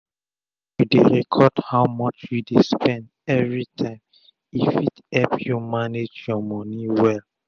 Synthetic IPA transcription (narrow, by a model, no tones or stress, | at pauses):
judeɹɛkʰɔdhaʊmɔt͡ʃjudespɛ̃ndɛvɹitʰãɪ̃m | ifitɛlpjumaned͡ʒjɔmɔniwɛl